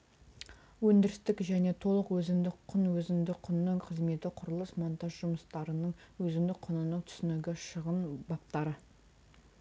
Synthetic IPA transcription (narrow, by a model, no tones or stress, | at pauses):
wɵnd̪ɪɾɪst̪ɪkʒæne̞t̪ʰo̞lˠəqwɵzɪmd̪ɪkqʰːʊnwɵzɪnd̪ɪqʰʊnːəɴqʰəzme̞t̪ɪqʰʊɾəlˠəsmont̪ɑʒʒʊməst̪ɑɾənəɴwɵzɪmd̪ɪk̚qʰʊnənəŋt̪ʰʏ̥sɪnɪɡʲɪʃəʁənbɑp̚t̪ɑɾə